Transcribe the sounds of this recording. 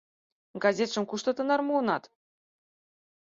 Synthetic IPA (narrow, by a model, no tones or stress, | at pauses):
ɡɑzʲet̪ʃɤ̆mkuʃt̪ɤ̆t̪ɤ̆nɑrmuɤnɑt̪